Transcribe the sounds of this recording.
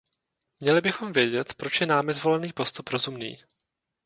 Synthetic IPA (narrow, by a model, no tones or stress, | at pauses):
mɲɛlɪbɪxo̞mvjɛɟɛt̪pɾo̞t͡ʃjɛnaːmɪzvo̞lɛniːpo̞st̪upɾo̞zumnḭː